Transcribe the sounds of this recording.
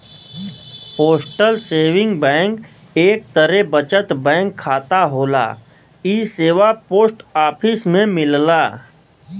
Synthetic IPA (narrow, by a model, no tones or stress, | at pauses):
poːsʈəlseːʋɪ̃ŋɡbɛ̃ːŋk | eːk̚t̪əɾebət͡ʃət̪bɛ̃ːŋkʰːaːt̪aɦoːla̰ː | iːseːʋapoːsʈaːpʰɪsmẽmɪllaː